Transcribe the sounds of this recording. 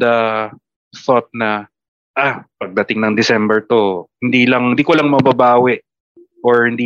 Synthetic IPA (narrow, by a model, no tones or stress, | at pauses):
d̪ɐ | θɔt̪̚nɐ | ʔapɐɡ̚d̪ɐt̪ɪŋnɐŋd̪ɪsɛmbɛɹt̪o̞hɪnd̪iːlɐŋhɪnd̪iːkolɐŋmɐbɐbaːwɪʔ | ʔoɹhɪnd̪iː